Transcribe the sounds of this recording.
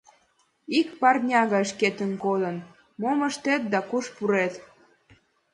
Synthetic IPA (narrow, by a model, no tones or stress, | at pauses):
ikpɑrnʲɑɣɑʃket̪ənkod̪ən | moməʃt̪et̪̚d̪ɑkuʃpuɾet̪